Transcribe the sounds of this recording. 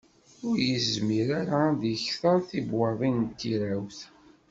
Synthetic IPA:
ʊɾjəzzmiɾaɾaðəçθəɾˤθibwɑðˤint̪ːiɾawθ

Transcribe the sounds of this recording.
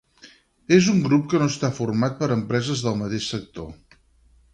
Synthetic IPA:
ezuŋɡɾup̚kənoəst̪afurmat̪̚pəɾəmpɾɛzəzðəlˠmət̪eʃsək̚t̪o̰

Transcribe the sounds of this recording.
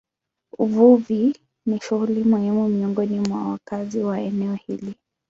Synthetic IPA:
uvuvi | niʃuɣulimɔhimumiɔŋɡɔnimwa̰wakaziwaɛnɛɔhḭli

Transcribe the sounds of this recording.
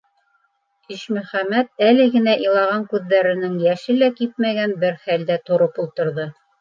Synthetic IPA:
iʃmɵ̆χæmæt̪̚ælɘ̆ɡɘ̆næʔilˠɑʁɑŋkʉðːæɾɘ̆nɘŋjæʃɘlækip̚mæɡænbɘɾχæld̪æt̪ŏɾɤpulˠt̪ɤ̆ɾðɤ

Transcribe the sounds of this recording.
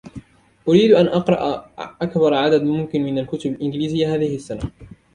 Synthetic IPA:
ʔʊɾiːd̪ʔanʔɑqɾˤɑʔʔakbɑɾˤʕad̪ad̪mʊmkɪnmɪnalkʊt̪ʊbalʔɪnɡliːzɪjːaɦaːðɪhɪsːana

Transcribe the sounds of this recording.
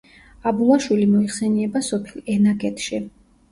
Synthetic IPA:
abulˠaʃwilimɔiχsɛniɛbasɔpʰilˠɛnaɡɛt̪ʰʃi

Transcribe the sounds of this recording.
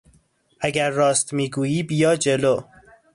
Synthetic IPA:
ʔæɟæɾːɒːst̪miːɡuːjiːbjɒːd͡ʒe̞lo

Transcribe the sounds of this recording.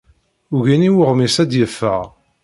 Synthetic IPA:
uʝiniwəʁmisæd̪jəfːə̰ʁ

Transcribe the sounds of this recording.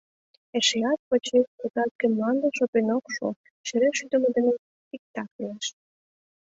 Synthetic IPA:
eʃeɑt̪̚pot͡ɕekpət̪ɑt̪̚kĕmlɑnd̪ə̆ʃopenokʃo̰ | ʃĕɾeʃyd̪əməd̪ĕnĕ | pʲik̚t̪ɑklieʃ

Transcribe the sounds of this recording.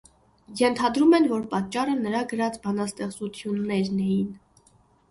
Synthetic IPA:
jɛnt̪ʰɑd̪ɾumɛnvɔɾpɑt̪̚t͡ʃːɑrənəɾɑɡəɾɑt͡sbɑnɑst̪ɛχt͡sut͡s̪ʰjunːɛɾnɛjin

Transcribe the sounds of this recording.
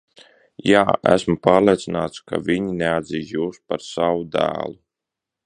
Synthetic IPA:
jaːʔæ̰smupaːɾlˠiɛt̪sinaːt̪ska̰vʲiɲinead̪ziːzjuːspaɾsawud̪æ̰ːlˠu

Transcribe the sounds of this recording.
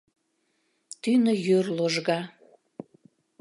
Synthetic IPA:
t̪ynəjørloʒɣɑ

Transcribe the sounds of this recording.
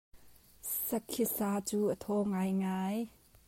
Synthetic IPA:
sɐkʰːisaːt͡suːʔət̪ʰɔːŋajŋaːj

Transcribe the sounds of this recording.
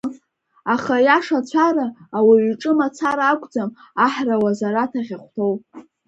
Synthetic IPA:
aχajaʂat͡ɕʷʰaɾaːwaɥɥʈ͡ʂʼɨmat͡sʰaɾaːkʷʼd͡zam | aħrawazaɾatʰaʁʲaχʷtʰo̞wpʼ

